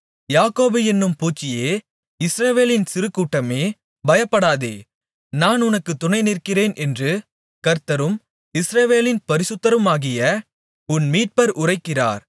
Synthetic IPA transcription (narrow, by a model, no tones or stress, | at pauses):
jaːkoːbɯɛnːɯmpuːt͡ʃːɪjeː | ɪsɾɐʋeːlɪnsɪɾɯkːuːʈːɐmeː | bɐjɐpːɐɽaːðḛː | naːnʊnɐkːɯt̪ːʊnɐɪnɪrkːɪreːnʔɛndrɯ | kɐɾt̪ɐɾɯm | ɪsɾɐʋeːlɪnpɐɾɪsɯt̪ːɐɾɯmaːɣɪjɐ | ʊnmiːʈ̚pɐɾʔʊrɐɪkːɪra̰ːɾ